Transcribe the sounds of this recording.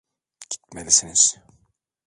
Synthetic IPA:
ɟ̥i̥t̪̚melʲisiniz̥

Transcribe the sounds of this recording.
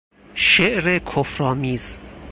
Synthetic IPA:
ʃeʔɾekʰofɾɒːmiːz

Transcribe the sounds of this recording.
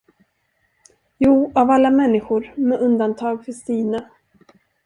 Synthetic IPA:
juːavalːamɛnːɪɧʊɾmɛʔɵnd̪ant̪ʰɑːɡfœʂt̪iːna

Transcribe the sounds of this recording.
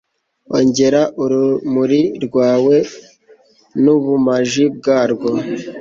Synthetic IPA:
oɲɟe̞ɾaʔuɾumuɾiɾɡwaːwe̞ | nuβumaʒib̚ɡaːɾɡo

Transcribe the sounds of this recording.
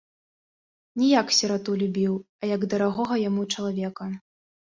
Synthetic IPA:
nʲijaksʲɛɾat̪ulʲubʲiw | ɐjɐɡd̪ɐɾaɣɔɣɐjamut͡ʂɐlˠavʲɛkɐ

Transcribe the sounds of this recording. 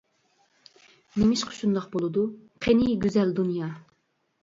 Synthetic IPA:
nemɪʃqʰə̥ʃund̪ɑχqbolˠɨd̪uqʰeniɡʲyzɛld̪unjɑ

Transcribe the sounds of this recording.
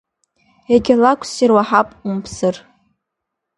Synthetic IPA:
eɡʲɪlakʷʰsirwaħapʼumpʰsɨr

